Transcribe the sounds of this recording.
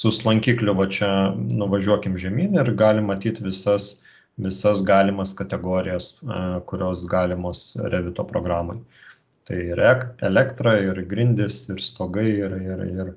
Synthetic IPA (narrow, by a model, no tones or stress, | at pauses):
sʊslˠɐŋʲkʲiːklʲʊʋɐt͡ʃʲɛnʊʋɐʒʲuɔkʲɪmʒʲɛmʲiːnʲɪrɡɑːlʲɪmːɐt̪ʲiːt̪ʋʲɪsɐs | ʋʲɪsɐsɡɑːlʲɪmɐskɐt̪ʲɛɡoːɾʲɪjɛskʊɾʲoːsɡɑːlʲɪmoːsɾʲɛʋʲɪt̪oːpɾoːɡɾɑːmoɪ | t̪ɐɪɪɾɛkɛlʲɛkt̪ɾɐɪɾɡɾʲɪnʲd̪ʲɪsɪɾst̪oːɡɐɪɪɾɪɾɪr